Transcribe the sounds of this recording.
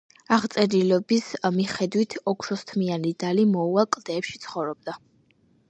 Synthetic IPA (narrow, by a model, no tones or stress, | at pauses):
aʁt̪sʼɛɾilɛbismiχɛd̪wit̪ʰɔkʰʃɔst̪ʰmianid̪alimɔuakʼld̪̥ɛːpʃi̥t̪sʰχɔvɾɔb̚d̪a